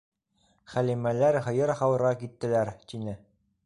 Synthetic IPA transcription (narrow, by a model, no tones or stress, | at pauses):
χælimælæɾɦɤ̆jɤɾχɑwɤ̆ɾʁɑkit̪ːɘ̆læɾt̪inɘ